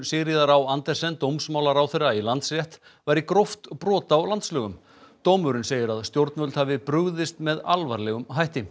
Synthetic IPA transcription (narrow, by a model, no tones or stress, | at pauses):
sɪɾiðaɾawant̪ɛrsɛnt̪owmsmaːwlaɾawθɪɾailant̪srjɛht̪ | vajɾikɾoft̪pɾɔːt̪awlant̪slœːɣʏm | t̪owmʏɾʏnseːjɪɾaðst̪jowɾt̪nmœlt̪havɪpɾʏɣðɪst̪mɛðalvaɾlɛɣʏmɦajht̪ɪ